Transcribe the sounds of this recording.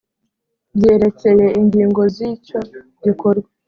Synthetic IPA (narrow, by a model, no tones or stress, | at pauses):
bje̞ːɾe̞t͡se̞je̞iɲɡiːŋɡo̞ziːco | ɟikoɾɡwe